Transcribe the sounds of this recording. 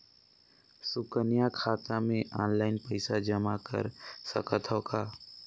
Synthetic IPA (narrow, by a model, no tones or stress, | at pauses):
sʊkənijakʰaːt̪amẽʔɔ̰ːnlaːɪnpəɪsad͡ʒəmakə̰ɾsə̰kət̪ʰokʰaː